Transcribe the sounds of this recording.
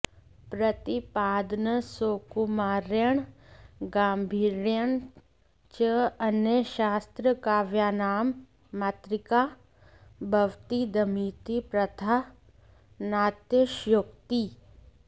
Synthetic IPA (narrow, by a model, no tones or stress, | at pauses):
pɾət̪ipaːd̪nəsoːkumaːɾjəɳɡaːmbʱiːɾjəɳ | t͡ʃəɐnjəʃaːst̪ɾəkaːʋjaːnaːmː | aːt̪ɾɪka | bʱɐʋt̪id̪ɐmiːt̪ipɾɐt̪ʰa | naːt̪jəʃjʊkt̪i